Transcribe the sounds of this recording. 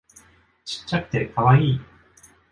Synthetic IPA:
t͡ɕi̥t͡ɕːakɯ̟̥t̪e̞kʰaβaiː

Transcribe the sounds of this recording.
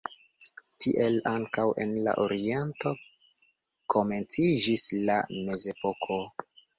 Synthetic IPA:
tiʔe̞laŋkawe̞̰nla̰ʔo̞ɾie̞nto̞ | kʰo̞me̞nt͡sid͡ʒislame̞ze̞po̞kʰo̞

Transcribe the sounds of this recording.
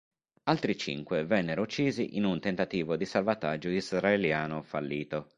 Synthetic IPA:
alt̪ɾit͡ʃḭŋkwevɛnːeɾout͡ʃːiːzḭʔinunt̪ent̪at̪iːvod̪isalvat̪ad͡ʒːoizraeljaːnofalːiːt̪o

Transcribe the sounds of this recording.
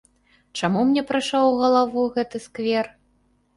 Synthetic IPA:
t͡ʂamumnʲɛpɾaʂawɣɐlˠavuɣɛt̪ɨskvʲɛr

